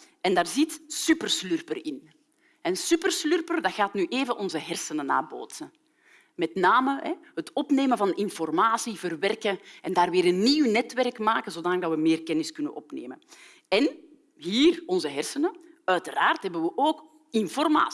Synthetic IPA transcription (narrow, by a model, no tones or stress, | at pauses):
ɛndaːrzitsypərslyrpərɪn | ɛnsypərslyrpərdɑxaːtnyʔeːvənʔɔnzəɦɛrsənəna̰ːrbo̰ːtsə | mɛtnaːməɦɛɦətɔpneːmənvɑnɪnfɔrmaːsivərʋɛrkəɛndaːrʋɪːɾənːiwnɛtʋɛrkmaːkəzoːdaːnəɡdɑtʋəmɪːrkɛnɪskʏnə̰nʔɔpnḛːmə̰n | ɛn | ɦiːrɔnzəɦɛrsənəœɥtəraːrtɦɛbənʋəʔoːk | ɪnfɔrma̰ː